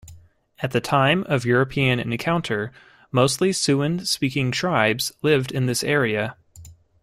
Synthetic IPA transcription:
ɨt̪̚ðɨtʰãɪ̃mʌvjʊɹɨpʰiɨ̃nɪ̰̃nkʰãʊ̃ntʰə˞ | moʊstˡlisʉɨ̃nspikɪ̃ŋtʰɹ̥aɪbz̥lɪvdɨ̃nðɪsɛɹiɨ

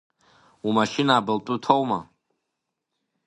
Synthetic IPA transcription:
umaʃinaːbɨltʼʊtʰowma̰

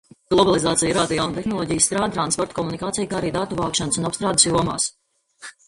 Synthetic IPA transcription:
ɡ̥lˠɔbalˠizaːt̪sijɾaːt̪jawnt̪exnɔlˠɔːɟijəsst̪ɾaːd̪̚t̪ɾanspɔɾt̪̚kɔmunikaːt̪ijkaːaɾiːd̪at̪uvaːkʃansunapst̪ɾaːd̪sjuɔma̰ːs

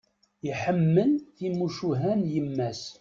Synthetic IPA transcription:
iħəmːəlθimuʃuɦænjəmːæs

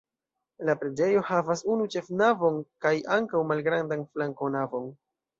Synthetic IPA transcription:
lapɾe̞d͡ʒe̞jo̞havasunut͡ʃe̞fnavo̞nkajʔaŋkawmalɡɾandanflaŋko̞navo̞n

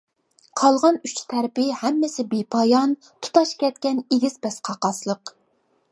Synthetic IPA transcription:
qʰɑlˠʁɑnyt͡ʃʰt̪ʰɛɾpɪhɛmːɪsɪbepʰɑjɑn | t̪ʰu̥t̪ʰɑʃkʲɛt̪̚kʲɛneɡʲizbɛsqʰɑqɑslˠəq

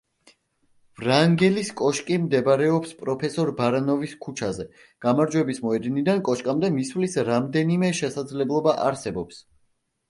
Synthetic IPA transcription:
vɾaŋɡɛliskʼɔʃkʼimd̪ɛbaɾɛɔpspʼɾɔpʰɛsɔɾbaɾanɔviskʰut͡ʃʰazɛ | ɡ̥amaɾd͡ʒwɛbismɔɛd̪nid̪ankʼɔʃkʼamd̪ɛmisvlisɾamd̪ɛnimɛʃɛsad̪zlɛblˠɔbaʔa̰ɾsɛbɔps

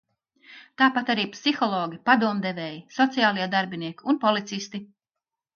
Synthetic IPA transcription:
t̪aːpat̪aɾiːpsixɔlˠɔːɡʲipad̪uɔmd̪evɛːjisɔt̪sijaːlˠiɛd̪aɾbiniɛkiunpɔlˠit̪sist̪i

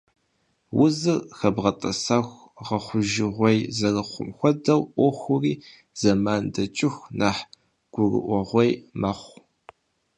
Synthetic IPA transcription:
wʊzɨrxɐbʁɐtʼɐsɐxʷ | ʁɐχʷʊʒɪʁʷɔjzɐrɨχʷʊ̰mxʷɔdɐwʔʷɔxʷʊriː | z̥ɐmaːndɐt͡ʃʼɪxʷnaːħ | ɡ̥ʷʊrɨ̰ʔʷɔʁʷejmɐχʷ

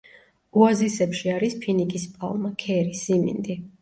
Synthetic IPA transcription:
uazisɛpʃiaɾispʰinikʼispʼa̰lˠmakʰɛɾisimḭnd̪i

